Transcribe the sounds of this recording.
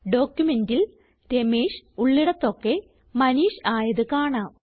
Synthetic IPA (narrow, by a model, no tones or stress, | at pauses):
ɖo̞ːkjumendil | ɾemeːʂuɭːiɽɐt̪ːo̞kːe̞ | mɐniːɕaːjɐðɨkaːɳaːm